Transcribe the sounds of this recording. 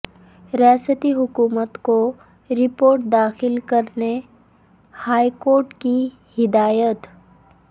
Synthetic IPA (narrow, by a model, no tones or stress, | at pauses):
ɾaːsət̪iɦʊkuːmət̪ko | ɾɪpoːɾʈ̚d̪aːxɪlkɐɾne | haːikoːɾʈki | hɪd̪aːjət̪